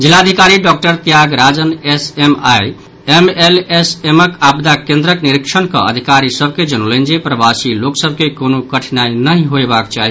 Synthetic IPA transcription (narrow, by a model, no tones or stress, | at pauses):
d͡ʒilːaəd̪ʱikaɾiɖɔk̚ʈəɾt̪jaɡɾad͡ʒənesemaj | emeleseməkabd̪akẽnd̪ɾəkniɾikt͡ʃʰənkə̰̃ə̰d̪ʱikaɾisəb̚ʱked͡ʒənolend͡ʒepɾəbasiloksəb̚ʱkekonokəʈʰnainəɦĩɦoebakt͡ʃaɦi